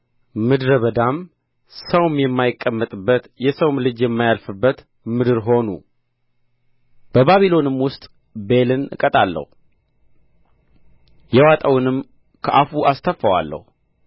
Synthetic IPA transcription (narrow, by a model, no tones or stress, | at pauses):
mɨd̪ɾəβəd̪am | səwmjɛmːajɪkʼːəmːət̪ʼɨbːət̪jɛsəwmlɨd͡ʒjɛmːajalfɨbːət̪ | mɨd̪ɨɾɦo̞nṵ | b̥əbaβilo̞nɨmwʊst̪ʼ | be̞lɨnɨ̰kʼət̪ʼalːə̰hu | jɛwat̪ʼəwnɨm | kʰəʔafuʔast̪ʰəfːəwa̰lːə̰hu